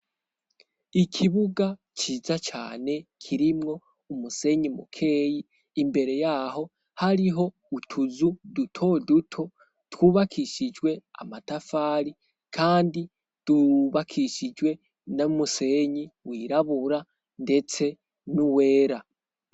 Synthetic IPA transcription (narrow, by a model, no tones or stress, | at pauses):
ikʰiβuɡa | t͡ʃiːzat͡ʃa̰ːne̞kʰiɾimŋo̞ | umuse̞ɲimṵkʰe̞ːjiː | mbe̞ɾe̞jaːɦo̞ | haɾiɦo̞ | utʰuzudutʰo̞dutʰo | twuːβakʰiʃid͡ʒwe̞a̰matafaːɾi | kʰaːndi | d̥uβakʰiʃid͡ʒwe̞ | namuse̞ɲiwiːɾaβuɾa | nde̞t͡se̞ | nuwe̞ːɾa